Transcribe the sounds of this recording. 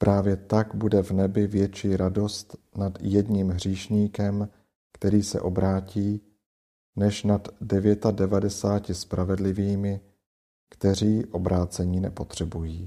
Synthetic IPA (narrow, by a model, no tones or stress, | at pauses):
pɾʔaːvjɛt̪aɡbudɛvnɛbɪvjɛt͡ʃiːɾado̞st̪ | nad̪jɛdɲimɦr̝iːʃɲiːkɛm | kt̪ɛɾiːsɛ̰ʔo̞bɾaːciː | nɛʃnad̪dɛvjɛt̪adɛvadɛsaːcɪspɾʔavɛdlɪviːmɪ | kt̪ɛr̝iːʔo̞bɾaːt͡sɛɲiːnɛ̰po̞t̪r̝̥ɛbujiː